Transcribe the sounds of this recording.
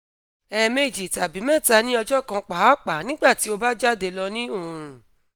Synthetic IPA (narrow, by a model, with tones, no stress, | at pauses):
ɛ˨me˧˨d͡ʒi˨ta˨bi˨˦mɛ̃˦˨ta˧nĩ˦ɔ˧d͡ʒɔ˦kã˧k͡pa˨˦k͡pa˨˦nĩ˦ɡ͡ba˦˨ti˨˦o˧ba˦d͡ʒa˦de˧lɔ˧nĩ˦o˦˨ũ˨